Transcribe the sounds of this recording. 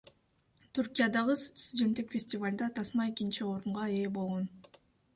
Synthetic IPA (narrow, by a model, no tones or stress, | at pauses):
t̪ʰuɾkʲijad̪ɑʁɯsst̪ud̪ʲe̞nt̪ːikfʲesʲtʲɪvalʲd̪ɑt̪ʰɑsmɑekʲint͡ʃio̞ɾuɴʁɑe̞ːbo̞lˠʁo̞n